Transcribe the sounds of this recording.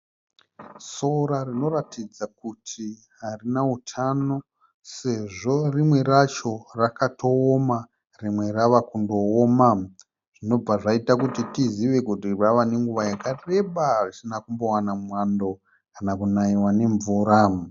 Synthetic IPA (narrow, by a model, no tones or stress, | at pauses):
so̞ɾarino̞ratid͡zakutʰi | ɦarinautʰano̞ | se̞ʐo̞rimwe̞ɾat͡ʃo̞rakatʰo̞ːma | rimwe̞raʋakundo̞ːma | ʐ̥ino̞b͡vaʐaitakutitiziʋe̞kutiraʋane̞ŋɡuʋajakare̞ɓarisinakumbo̞wanamwando̞ | kanakunaiwane̞ɱvuːɾa